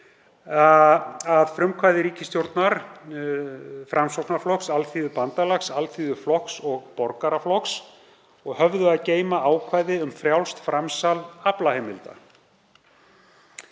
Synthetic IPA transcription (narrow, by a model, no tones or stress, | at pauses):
aðfɾʏmkʰvaːjðɪɾiːcɪst̪jowɾt̪naɾ | fɾʔamsowknaɾflɔksalθiðʏpant̪alaxsalθiðʏflɔksɔɣpɔɾkaɾaflɔks | ɔɣhœvðʏaðceːjmaaːwkʰvaːjðɪʏmfɾjawlst̪fɾamsalaplaheːmɪlt̪a̰